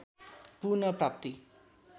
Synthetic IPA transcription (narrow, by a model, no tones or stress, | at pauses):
punʌprap̚t̪i